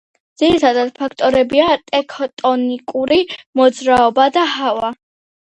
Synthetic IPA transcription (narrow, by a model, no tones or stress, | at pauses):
d̪z̥iɾit̪ʰad̪ad̪pʰakʰt̪ʼɔɾɛbiat̪ʼɛkʰɔt̪ʼɔnikʼuɾimɔd̪zɾaɔbad̪aɦava